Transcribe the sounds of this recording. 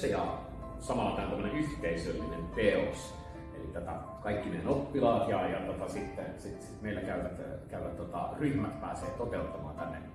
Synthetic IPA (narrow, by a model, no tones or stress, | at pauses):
sejɑ̰ | sɑmɑlːɑk̪æˑont̪æmːənenyht̪eisølːinent̪eos | ḛlit̪æt̪æ̰ | kɑikːinenopːilɑːt̪jɑjɑt̪ot̪ɑsit̪ːensit̪sit̪meˑilːækæyʋæt̪kæyʋæt̪t̪ot̪ɑ̰ryhmæt̪pæ̰ːsḛːt̪ot̪eut̪ːɑmɑ̰ːnt̪ænːḛ